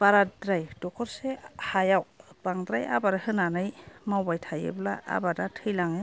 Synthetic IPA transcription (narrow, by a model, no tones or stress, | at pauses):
b̥aɾadɾajdɔkʰɔɾsehajawb̥aŋdɾaja̰baɾahɯnanɯjmawbajtʰajɯ̰blaa̰badatʰɯjlaŋe